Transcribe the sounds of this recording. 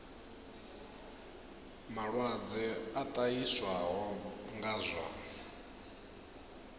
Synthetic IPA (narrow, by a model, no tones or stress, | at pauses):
maɺwad͡zɛat̪ʼajiswaɦɔŋɡaːzʷa̰